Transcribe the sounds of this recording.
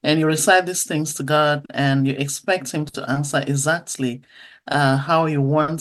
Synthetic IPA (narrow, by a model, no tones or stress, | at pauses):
ʔɨ̃njɨɹɪsaɪt̪̚ðiz̥θɪ̃ŋz̥tʰɨɡɑdɨ̃njɨʔɨkspɛk̚t̚hɨ̃mtʰəʔæ̃nsə˞ʔɪɡzæk̚tʰˡliʔʌhaʊjɨwɑ̃nt